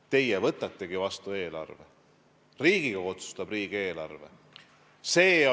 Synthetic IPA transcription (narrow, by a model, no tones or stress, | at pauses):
t̪e̞jevɤt̪ːˑɑt̪ːe̞ɡ̥ivɑst̪ue̞ːlɑ̰rvḛ | riːɡ̥iɡ̥ɑo̞t̪su̥st̪ɑb̥riːɡ̥e̞ːlɑrve̞̰ | se̞ː